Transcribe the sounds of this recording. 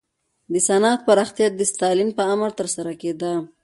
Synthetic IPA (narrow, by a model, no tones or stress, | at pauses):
d̪əsanɑːt̪̚paɾɑxt̪ijad̪əst̪ɑlimpəaməɾt̪əɾsaɾaked̪a